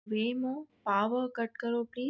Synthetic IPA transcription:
ʋemõpaːʋəkəʈ̚kəɾopliː

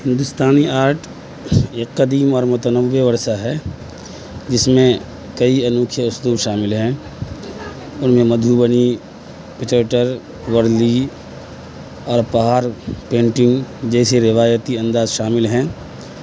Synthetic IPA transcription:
hɪ̃nd̪ʊst̪ʰaːniaːɾʈʰ | eːkːəd̪iːmɔːɾmʊt̪ənəʋːeʋɐɾʃaɦɛ | d͡ʒɪsmẽ | kɐiɐnuːkʰjəʊsd̪uːɾʃaːmɪlɦɛ̃ | ʊnmẽmɐd̪ʱuːbəni | pɪt͡ʃəːʈəɾ | ʋəɾli | ɔːɾpəɦaːɾpẽːɳʈɪ̃ŋɡd͡ʒɛːseɾɪʋaːjət̪iɐ̃nd̪aːzʃaːmɪlɦɛ̃ː

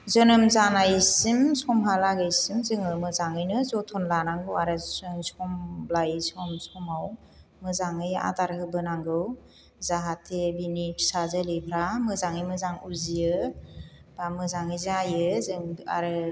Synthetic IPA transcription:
zɯnɯmzanajsimsɔmɦalaɡɯjsimzɯŋɯmɯzaŋɯjnɯzɔtʰɔnlanaŋɡɯwaɾɯsɯŋsɔmblajsɔmsɔmaw | mɯzaŋɯja̰taɾhɯbɯnaŋɡɯw | zaɦatʰebinipʰi̥sazəlipʰɾamɯzaŋɯjmɯzaŋuzijɯ | b̥amɯzaŋɯjzajɯzɯŋa̰ɾɯ

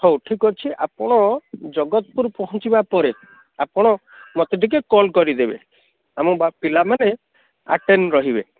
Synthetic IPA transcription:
howʈʰikɔɾt͡ʃʰiʔapɔɽ̃ɔd͡ʒɔɡɔt̪̚puɾpɔɦɔnt͡ʃibapɔɾe | apɔɽ̃ɔ | mɔt̪eʈik̬ekɔlkɔɾid̪ebḛ | amɔbapilamane | a̰ʈenɾɔɦibe

